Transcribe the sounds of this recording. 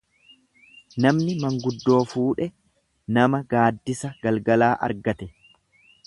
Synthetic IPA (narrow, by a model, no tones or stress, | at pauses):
nɐmnɪmɐŋɡʊd̪ːo̞ːfuːᶑɛ | nɐmɐɡaːd̪ːɪsɐɡɐlɡɐlaːʔɐ̰ɾɡɐt̪ɛ